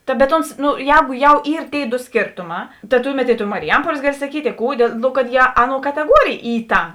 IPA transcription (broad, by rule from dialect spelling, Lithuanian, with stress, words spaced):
tɐ bʲɛt ˈoːns noː ˈjɛːɡʊ jɛʊ ˈiːr tʲeːɪ doː ˈsʲkʲeːrtoːˌmɑː tɐ ˈtʊˌmʲɛt ɪ toː mɐrʲɪˈjɛmpuɔlʲeːs ˈɡɑːˌlʲɪ sɐˈkʲiːtʲ ɪ ˈkuː dʲeːlˠ ˈnoː kɐt jiɛ ˈɑːˌnuɔ kɐtʲɛˈɡuɔrʲeːjeː ˈiː ˈtɐ